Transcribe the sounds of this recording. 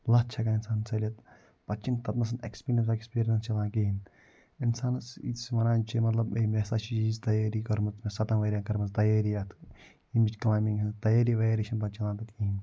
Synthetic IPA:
lɐt͡ʃʰɐkaːinsaːnsɐlʲɐt̪ | pɐt͡ʃint̪ɐt̪mɐs̬ɐnḛkspiːɾijɐnsekspiːɾijɐnst͡ʃɐlãːkiɦin | insaːnsḭsʋɐnaːnt͡ʃʰimɐt̪lɐbemesaːt͡ʃiizt̪ɐjaːɾikɐɾmɐt͡smesɐt̪ɐnʋɐːɾʲiaːkɐɾmɐt͡st̪ɐjaːɾijat̪ʰ | imid͡ʒklaːjmiŋɡɦint̪ɐjaːɾiʋeːɾeʃɐnpɐt͡ʃilaːnt̪ɐt̪kiɦin

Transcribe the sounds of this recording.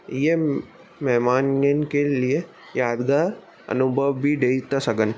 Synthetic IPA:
je | mɛɦmaːnjənkelie | jaːd̪ɡaːɾ | ɐ̰nʊbʱəʋːiɖeːit̪ɐsɐɡən

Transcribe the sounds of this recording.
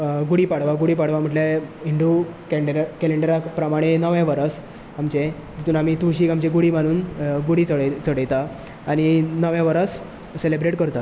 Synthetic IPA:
ɡuɽiːpaɽʋaɡuɽipaɽ̤ʋam̤əʈleiɳɖukɖɾakeleɳɖəɾapɾəmaɽ̃enəʋjãʋəɾəs | amt͡ɕe | t̪it̪uːnamit̪uɕiːkamt͡ɕeɡuɽim̤əɽ̃uːnɡuɽit͡səɽt͡səɽəjt̪aː | ɽ̃inəʋjaʋəɾəs | selebɾeʈkəɾt̪a

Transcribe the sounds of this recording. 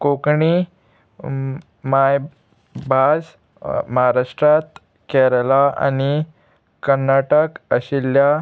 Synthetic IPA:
kokɳi | maj | bʱad͡z | məɦaɾaʂʈɾat̪ | kɛɾəlaa̰ni | kəɾnaʈəkəɕilja

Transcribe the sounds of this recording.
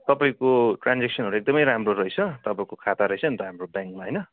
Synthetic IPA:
t̪ʌpaĩkoʈrand͡zeksʌnɦoɾuek̚d̪ʌmʌjɾamroɾʌjt͡sʰʌt̪ʌpaĩkokʰat̪aɾʌjt͡sʰʌʌnt̪ʌɦamrobjaŋkmaɦʌjnʌ

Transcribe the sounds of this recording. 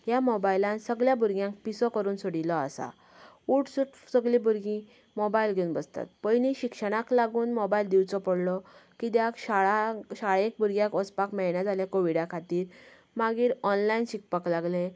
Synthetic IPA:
jamobajlãnsəɡɭjabʱuɾɡjãŋk̚pisɔkəɾuːnsoɽilɔa̰sa̰ | uʈsuʈsəɡlibuɾɡĩ | mobailɡʱeunbəst̪a̰t̪̚pəjniɕikʂəɽ̃aklaɡuːnmobaild̪iwt͡sɔpəɽlɔkid̪jakɕaɭaɕaɭek̚buɾɡjãkɔt͡spakmɛɭɳjad͡zʱaljakoʋiɽakʰat̪iːɾ | maɡiːɾɔnlainɕik̚paklaɡle

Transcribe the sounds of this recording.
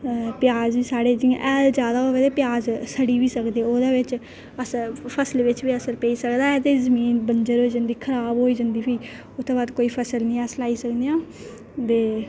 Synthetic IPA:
pjaːziːsaːɽeːd͡ʒḭ̃ʔɛːld͡ʒjaːd̪aːoːʋed̪eːpɪjaːzsəɽiːʋiːsəkd̪eːoːd̪aːʋɪt͡ʃ | əsəpʰəslʋɪt͡ʃʋiːəsəɾpẽːiːsəkd̪aːɛt̪eːzəmiːnbənd͡ʒəɾʋɪt͡ʃd͡ʒənd̪iːkʰəɾaːbɦoːiːd͡ʒənd̪iːpʰiː | ʊt̪ʰːeːbaːd̪koːiːpʰəsəlnĩːɛslaːiːsəkd̪ejãː | d̪eː

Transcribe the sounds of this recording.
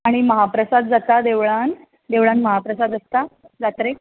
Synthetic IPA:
aɽ̃iməɦapɾəsad̪̚d͡zat̪ad̪eʋɭan | d̪eʋɭanməɦapɾəsad̪əst̪a | d͡zat̪ɾe

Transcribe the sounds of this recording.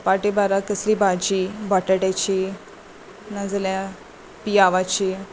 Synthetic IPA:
paʈibaɾakəslibʱad͡ʑibaʈəʈat͡ɕi | nəd͡zlja | pijaʋat͡ɕi

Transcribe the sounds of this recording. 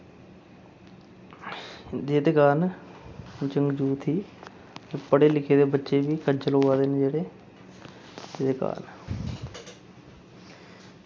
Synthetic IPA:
d͡ʒ̪eːd̪ekaːn | t͡ʃəŋɡd͡ʒuːt̪ʰiː | epəɽeːlɪkʰeːd̪eːbətːʃeːbiːkəɾd͡ʒəloːaːd̪eːneːd͡ʒeːɽeː | eːd̪eːka̰ːn

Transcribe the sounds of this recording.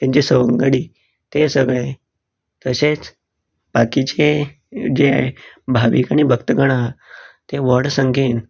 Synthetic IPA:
t̪jãɲt͡ɕisəʋəŋɡəɽiː | t̪esəɡɭae | t̪əset͡s | b̥akit͡ɕe | d͡ʑea̰ɦe | bʱaʋḭkaɽ̃ibʱəkt̪əɡəɽ̃at̪eʋəɽsəŋɡen

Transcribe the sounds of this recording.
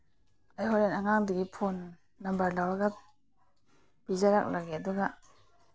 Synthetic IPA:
ajɦɔlenaŋaŋdiɡipʰɔnː | ambaɾlawaɡat̚ | b̥izaɾak̚laɡeduɡaʔ

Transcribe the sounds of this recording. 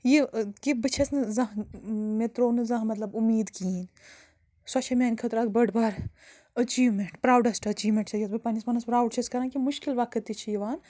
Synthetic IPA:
jikibɨt͡ʃʰɐsnɨzɐɦmet̪ɾoːnɨzɐ̃ɦmɐt̪lɐbumiːd̪kiːn | sɐt͡ʃʰɐmʲeːnʲkʰɐt̪ɾaːkbɐɽbaːɾ | ɐt͡ʃiːʋmeɳʈpɾaːwɖɐsʈɐɐt͡ʃiːʋmẽɳʈt͡ʃʰɐjɐt̪bɐpanismɐnɐspɾaːwɖt͡ʃʰɐskɐɾãːnkimʊʃkilʋakɐt̪ːit͡ʃʰijiʋaːn

